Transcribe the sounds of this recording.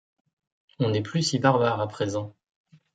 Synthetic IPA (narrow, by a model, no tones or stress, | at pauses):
ɔ̃nɛplysibaʁbaʁapχezɑ̃